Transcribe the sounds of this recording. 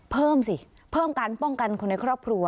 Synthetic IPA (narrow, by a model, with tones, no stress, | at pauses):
pʰɤː˥˩msi˨˩ | pʰɤː˥˩mka˧npɔ˥˩ŋka˧nkʰo˧nːa˧jkʰɾɔː˥˩p̚kʰɾu˧ɐ